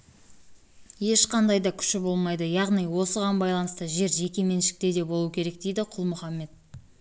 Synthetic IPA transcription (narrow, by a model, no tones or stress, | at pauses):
je̞ʃqɑnd̪ɑjd̪ɑkʲʰʏ̥ʃɪbo̞lˠmɑjd̪əjɑʁnijwo̞səʁɑnbɑjlˠɑnəst̪əʒe̞ɾʒe̞kʲe̞me̞nʃɪ̥k̚t̪e̞d̪e̞bo̞lˠuwəkʲʰe̞ɾe̞k̚d̪e̞jd̪ɪqʰʊlˠmʊχɑmːe̞t̪̚